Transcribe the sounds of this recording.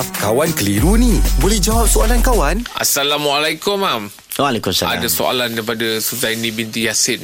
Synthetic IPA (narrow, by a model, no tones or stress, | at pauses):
kawankəliɾunĩbolɛhd͡ʒawap̚soalankawanʔa̰salamualajkʊmam | walɛkumsaa̰daso̰a̰landaip̬adasuzajnĩbint̪ijasɪt̪̚